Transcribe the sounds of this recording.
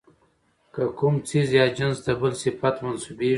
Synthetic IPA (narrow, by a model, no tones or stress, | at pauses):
kakumt͡sizjɑd͡ʒansd̪əbəlsɪfat̪mansube